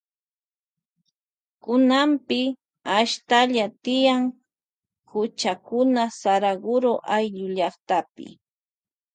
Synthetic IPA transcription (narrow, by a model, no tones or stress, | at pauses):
kʊnampɪ | aʃt̪aʎat̪ɪjaŋ | hʊt͡ʃakʊnasaɾaɡʊɾoʔajʎʊʎɑχt̪apɪ̰